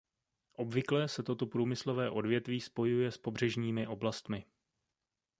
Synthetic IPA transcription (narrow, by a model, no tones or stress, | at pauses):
ʔo̞bvɪklɛːsɛt̪o̞t̪o̞pɾuːmɪslo̞vɛːʔo̞dvjɛt̪viːspo̞jujɛspo̞br̝ɛʒɲiːmɪʔo̞blast̪mɪ